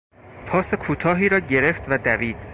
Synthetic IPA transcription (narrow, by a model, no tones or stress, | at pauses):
pʰɒːsekʰuːt̪ʰɒːɦiːɾɒːɟe̞ɾe̞ft̪væd̪æviːd̪̥